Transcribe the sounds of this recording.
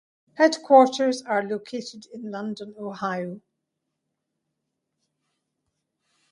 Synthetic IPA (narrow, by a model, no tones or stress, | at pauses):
hɛdkʰw̥ɔɹtə˞zəɹlokʰetɪdɪ̃nlʌ̃ndə̃nohaɪjo